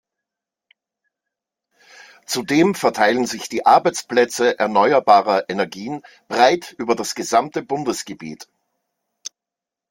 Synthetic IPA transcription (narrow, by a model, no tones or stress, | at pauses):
t͡sudeːmfɛɐtʰaɪlənzɪçd̥iːʔaɐbaɪt͡splɛt͡səʔɛɐnɔʏɐbaːʁɐʔɛnɛɐɡiːn | b̥ʁaɪtʰʔyːbɐdasɡ̥əzamtəbʊndəsɡ̥əbḭːt